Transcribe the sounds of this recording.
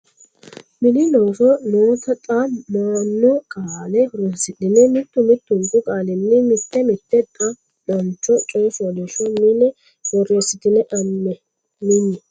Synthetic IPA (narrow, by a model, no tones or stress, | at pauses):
mɪnɪnoːsɔnoːt̪ɐt̪ʼamaːnːɔkʼaːlɛhɔɾɔsɪd̪ɪnɛmɪt̪ːʊmɪt̪ːʊŋɡʊkʼaːlɪnːɪmɪt̪ːɛmɪt̪ːɛt̪ʼɐ | ɗɔnt͡ʃːɔt͡ʃʼɔːsad̪ɛʃɔnɪnɛ | hɔɾesɪt̪ɪnɛʔɐmːɛ | mɪnːɛ